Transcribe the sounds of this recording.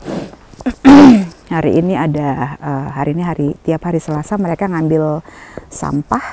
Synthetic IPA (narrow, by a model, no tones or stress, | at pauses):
haɾḭːniadaəɦaɾiːniɦaɾit̪iaphaɾisəlasaməɾekaŋambɪlsa̰mpah